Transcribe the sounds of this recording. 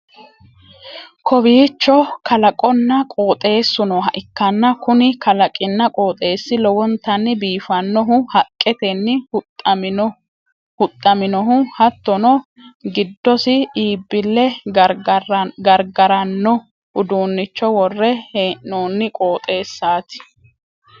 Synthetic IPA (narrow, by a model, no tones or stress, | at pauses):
kʰɔbiːt͡ʃːɔkɐlɐkʼɔnːɐkʼoːt̪ʼe̞ːsːʊnɔɦɐʔɪkːɐnːɐkʊnɪkɐlɐkʼɪnːɐkʼoːt̪ʼe̞ːsːɪlɔwɔnt̪ːɐnːɪbiːfɐnːɔɦʊhɐkʼːɛt̪ɛnːɪ | hʊt̪ʼːɐmɪnɔɦʊhɐt̪ːɔnɔ | ɡɪd̪ːɔsɪiːbːɪlːɛ | ɡɐɾɡɐɾɐnːɔ | ʊd̪uːnːɪt͡ʃːɔwɔrːɛheːnnoːnːɪkʼo̞ːt̪ʼe̞ːsːaːt̪ɪ̥